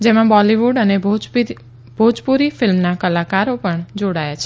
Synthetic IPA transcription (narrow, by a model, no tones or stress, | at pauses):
d͡ʒemãbɔliʋuɖənebo | bʱod͡ʒpuɾifɪlmnakəlakaɾopəɳd͡ʒoɽajat͡ʃʰe